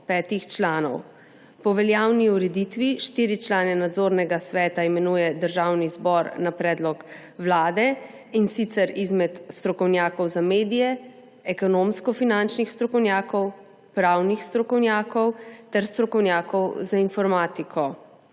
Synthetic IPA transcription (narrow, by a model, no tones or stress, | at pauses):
pɛːt̪ixt͡ʃlaːnɔ̰w | pɔʋɛljaːwniuɾɛd̪it̪ʋiʃt̪iɾit͡ʃlaːnɛnad̪zoːɾnɛɡasʋɛːt̪aimɛnuːjɛd̪əɾʒaːwnizbɔɾnapɾɛːd̪lɔk | wlaːd̪ɛ | insit̪sɛɾizmɛt̪st̪ɾɔkɔwnjaːkɔwzameːd̪ijɛ | ɛkɔnoːmskɔfinant͡ʃnixst̪ɾɔkɔwnjaːkɔw | pɾawnixst̪ɾɔkɔwnjaːkɔwt̪ɛɾst̪ɾɔkɔwnjaːkɔwzainfɔɾmaːt̪ikʰɔ